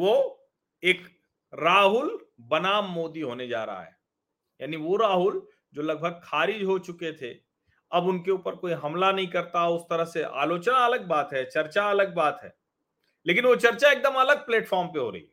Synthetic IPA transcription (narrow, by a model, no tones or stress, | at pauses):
ʋo | eːk | ɾaːɦʊlbɐnaːmːoːd̪iɦoːned͡ʒa̰ːɾɐ̰ɦa̰ɦɛ̰ː | ja̰ːniʋoɾaːɦʊl | d͡ʒoːlɐɡ̚bʱəɡ̚kʰaːɾɪd͡ʒɦot͡ʃʊket̪ʰe | ɐbʊnkeuːpəɾkoːiɦɐmlanɐɦĩkɐɾt̪aʊst̪ɐɾəɦseʔa̰ːloːt͡ʃnaɐləɡ̚baːt̪ɦɛt͡ʃɐɾt͡ʃaɐləɡ̚baːt̪ɦɛ̰ː | leːkɪnʋot͡ʃɐɾt͡ʃaeːk̚d̪əmɐləɡ̚pleːʈfɔːɾmpeɦo̰ːɾɐɦiː